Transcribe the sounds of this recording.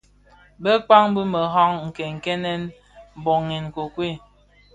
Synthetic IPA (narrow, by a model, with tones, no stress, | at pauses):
bə˦k͡pa˦ŋ˦bi˦mə˨ɦɔ˦ŋŋ̩˨kɛ˨ŋ̩˨kɛ˦nɛ˦n | m̩˨bo˨ŋe˨n˨ko˨kwe˦˨